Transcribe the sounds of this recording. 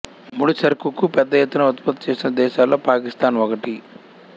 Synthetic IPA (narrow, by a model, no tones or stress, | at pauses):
muɽusɐɾkukupɛd̪ːɐjɛt̪ːunɐut̪̚pɐt̪ːɐ̥t͡ʃe̞ːsinɐd̪ɛːʃaːlːo̞ːpaːkist̪aːnʋɔkɐʈi